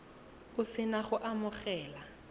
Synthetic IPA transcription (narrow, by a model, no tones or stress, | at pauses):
ʊsɪnaχʊʔamʊχɛːla